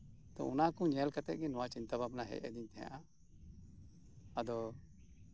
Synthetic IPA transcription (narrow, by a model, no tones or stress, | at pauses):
t̪ɔ̰unakũɲɛlkat̪ɛt̪̚ˀɡɛnɔwat͡ʃint̪ababnaɦɛ̰ʔɛ̰d̪iɲt̪ɛɦã̰ʔa | ad̪ɔ